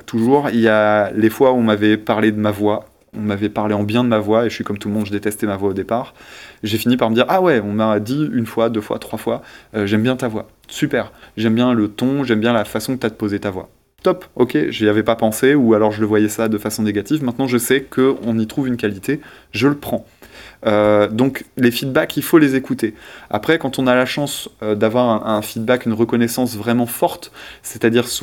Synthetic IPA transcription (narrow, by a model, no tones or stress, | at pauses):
t̪ʰuʒuʁiljalefwaɔ̃mavɛpaʁled̪əmavwa | ɔ̃mavɛpaʁleɑ̃bjɛ̃d̪əmavwaeʒəsɥikɔmt̪ulmɔ̃d̪ʒəd̪et̪ɛst̪ɛmavwaod̪epaːʁʒefinipaʁməd̪iʁʔawɛɔ̃mad̪iynfwad̪øfwa̰t̪χwafwaøʒɛmbjɛ̃t̪avwa | sypɛʁʒɛmbjɛ̃lət̪ɔ̃ʒɛmbjɛ̃lafasɔ̃kət̪at̪əpozet̪avwa̰ | t̪ɔpɔkʰʲḛʒiavɛpapɑ̃seualɔʁʒələvwajɛsad̪əfasɔ̃neɡat̪ifmɛ̃t̪nɑ̃ʒəsɛkəɔ̃nit̪χuvynkalit̪eʒələpχɑ̃ød̪ɔ̃klefid̪̚bakʰʲilfolezekut̪ea̰pχɛkɑ̃t̪ɔ̃nalaʃɑ̃sød̪avwaʁɛ̃ʔɛ̃fid̪̚bakynʁəkɔnɛsɑ̃svʁɛmɑ̃fɔʁt̪sɛt̪ad̪iʁs